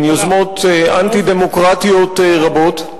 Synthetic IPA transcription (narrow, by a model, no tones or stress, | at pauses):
njozmot̪eʔant̪id̪emokʁat̪iot̪eʁabo̞t̪